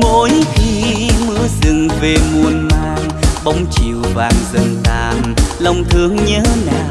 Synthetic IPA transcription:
mo˧˥jxi˧mɨ˨˧˥əzɨ˨˩ŋve˨˩mu˧ənmaː˧ŋɓə˧˦wŋ͡mt͡ɕi˨˩əwvaː˨˩ŋzə˨˩nt̪aː˧˨˩nlə˧wŋ͡mt̪ʰɨ˧əŋɲəː˨˦naː˨˩w

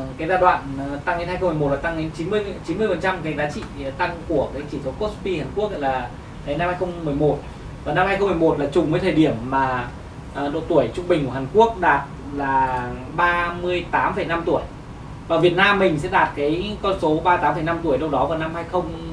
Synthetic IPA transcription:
kaː˨˦jzaː˧˩ɗwa̰ː˧˨nt̪a˧ŋe˧nhaː˧jxŋ͡mmo˨˩laː˨˩t̪a˧ŋɗe˨˦nt͡ɕi˨˦nmɨ˧əjt͡ɕi˨˦nmɨ˧əjfə˨˩nt͡ɕa˧mkaː˨˦jzaː˨˦t͡ɕḭ˧˨t̪a˧ŋku˧˩əkaː˨˦jt͡ɕi˧˩so˨˦ko˦˥t̚pi˧haː˨˩nku˦˥ək̚la̰˧˥laː˨˩ | t̪ʰə˨˦jna˧mhaː˧jxə˧wŋ͡mmɨ˨˩əjmo˨˩t̚ | vaː˨˩na˧mhaː˧jxwŋ͡mm˨˩mo˨˩t̚laː˨˩t͡ɕʊ˨˩ŋ͡mvəː˨˦t̪ʰəː˨˩ɗi˧˩əmːaː˨˩˨ | ɗo̰˧˨t̪u˧˩əjt͡ɕʊ˧ŋ͡mɓï˨˩ŋ̟ku˧˩ɦaː˨˩ŋku˦˥ək̚ɗaː˨˩t̚ | laː˨˩ɓaː˧mɨ˧əjt̪aː˨˦mfə˧˩jna˧mt̪u˧˩əj | vaː˨˩vi˨˩ət̚naː˧mːï˨˩ŋ̟sɛ̰˧˥ɗaː˨˩t̚kaː˨˦jkɔ˧nso˨˦ɓaː˧t̪aː˨˦mfə˧˩jna˧mt̪u˧˩əjlə˧wɗɔ˨˦vaː˨˩wna˧mhaː˧jxə˧wŋ͡m

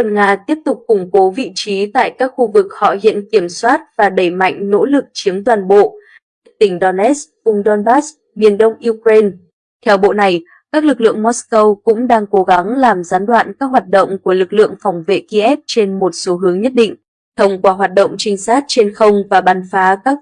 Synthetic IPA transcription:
wə˨˩nŋaː˧t̪i˦˥əp̚t̪ʊ˨˩k͡p̚kʊ˨˧˩ŋ͡mko˨˦vḭ˧˨t͡ɕi˨˦t̪a̰ː˧˨jkaː˦˥k̚xu˧vɨ˨˩k̚hɔ̰˧˨hḭ˧˨ənki˧˩əmswaː˦˥t̚vaː˨˩ɗə˧˩jma̰˧˨jŋ̟no̰˧˥lɨ˨˩k̚t͡ɕi˨˦əmt̪waː˨˩nɓo̰˧˨ | a̰ː˧˥˩t̪ï˧˩ŋ̟ɗɔ˧nʔɛ˦˥svʊ˧ŋ͡mɗɔ˧nɓaː˦˥s | mi˨˩ənɗə˧wŋ͡mʔi˧kɾe˧n | t̪ʰɛ˧wɓo̰˧˨na˨˩j | kaː˦˥k̚lɨ˨˩k̚lɨ̰˧˨əŋmɔ˦˥skə˧wkʊ̰˧˥ŋ͡mɗaː˧ŋko˨˦ɣa˨˦ŋlaː˨˩mzaː˨˦nɗwa̰ː˧˨nkaː˦˥k̚ɦwaː˨˩t̚ɗo̰˧˨wŋ͡mku˧˩əlɨ˨˩k̚lɨ̰˧˨əŋfa˧˩wŋ͡mvḛ˧˨ki˧ʔɛ˦˥p̚t͡ɕe˧nmo˨˩t̚so˨˦ɦɨ˨˦əŋɲə˦˥t̚ɗḭ̈˧˨ŋ̟ | t̪ʰə˧wŋ͡mkwaː˧˩ɦwaː˨˩t̚ɗo̰˧˨wŋ͡mt͡ɕï˧ŋ̟saː˦˥t̚t͡ɕe˧nxə˧wŋ͡mvaː˨˩ɓaː˨˩nfaː˨˦kaː˦˥k̚

